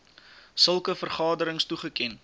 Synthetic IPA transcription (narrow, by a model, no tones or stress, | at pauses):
səlˠkəfərχɑːdəɾəŋstuχəkɛn